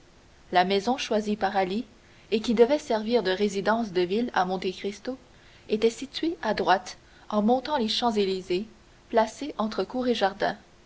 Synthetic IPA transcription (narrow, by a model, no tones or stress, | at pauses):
lamɛzɔ̃ʃwazipaʁali | ekʲid̪əvɛsɛʁviːʁd̪əʁezid̪ɑ̃sd̪əvila̰mɔ̃t̪ekχist̪o | et̪ɛsit̪ɥeʔad̪ʁwat̪ | ɑ̃mɔ̃t̪ɑ̃leʃɑ̃zelize | plaseʔɑ̃t̪χəkuːʁeʒaʁd̪ɛ̰̃